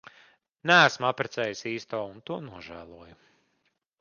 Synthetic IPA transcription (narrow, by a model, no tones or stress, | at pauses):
nææsmapɾɛt̪sɛːjisiːst̪ɔːunt̪uɔnuɔʒæːlˠuɔju